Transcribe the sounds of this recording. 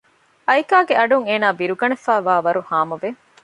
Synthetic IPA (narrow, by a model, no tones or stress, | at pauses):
ɐjkaːɡeɐɖuŋeːnaːbiɾuɡɐnefæːʋaːʋɐɾuhaːmɐʋe